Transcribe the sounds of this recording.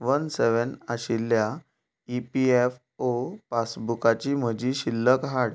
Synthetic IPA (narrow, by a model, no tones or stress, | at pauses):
ʋənseʋənaɕilːja | ipief | opasbukat͡ɕiːm̤əd͡ʑiːɕilːəkɦaɽ